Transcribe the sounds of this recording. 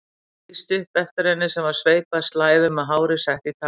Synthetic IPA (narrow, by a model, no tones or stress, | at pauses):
ist̪ʏhpɛft̪ɪɾɛnːɪsɛmvaɾ̥sveːjpast̪laːjvʏmaðɦaːwɾɪ̥sɛht̪it̪ʰa